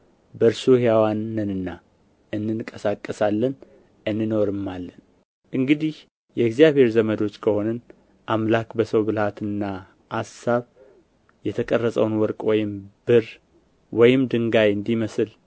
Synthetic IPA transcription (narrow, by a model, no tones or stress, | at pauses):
bəɾsuhjawanːɨnɨnːa | ɨnːɨnkʼəsakʼːəsalːən | ɨnːɨno̞ɾɨmːalːən | ʔɨŋɡɨd̪ih | jɛɡzijaβhe̞ɾzəməd̪o̞t͡ʃːkʰəho̞nən | ʔamlakbəsəwbɨlhat̪ɨnːa | ʔasaβ | jɛt̪ʰəkʼərːəsʼəwnwɔɾkʼwɔjɪmb̥ɨr | wɔjɪmd̪ɨŋɡajɨnd̪iməsɨl